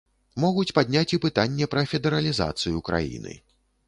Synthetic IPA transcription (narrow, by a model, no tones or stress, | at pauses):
mɔɣut͡sʲpad̪ʲnʲat͡sʲipɨt̪anʲːɛpɾɐfʲɛd̪ɛɾɐlʲiza̰t̪sɨjukɾa̰jḭnɨ̰